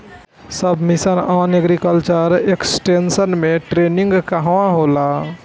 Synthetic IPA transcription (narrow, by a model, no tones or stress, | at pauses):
səbmɪsənaːneɡɾikəlt͡ʃəɾeksʈensənmẽʈɾeːnɪ̃ŋɡkəɦʋãɦolaː